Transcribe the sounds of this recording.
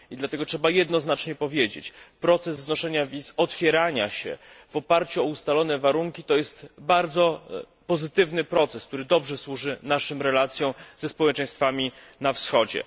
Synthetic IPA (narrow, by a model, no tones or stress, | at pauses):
id̪lat̪ɛɡɔtʂɛbajɛd̪nɔznat͡ʂɲɛpɔvʲjed͡ʑḛt͡ɕpɾɔt̪sɛzːnɔʂɛɲavʲizɔt̪fʲjɛɾaɲa̰ɕɛ̰ | v̥ɔpaɾt͡ɕuɔust̪alɔnɛvaɾuŋkʲit̪ɔjɛst̪baɾd̪zɔ | pɔzɘt̪ɘvnɘpɾɔt̪sɛsk̚t̪uɾɘd̪ɔbʐɛswuʐɘnaʂɔmɾɛlat̪sʲjɔ̃w̃z̥ɛspɔwɛt͡ʂɛ̃j̃st̪famʲinafsxɔd͡ʑɛ̰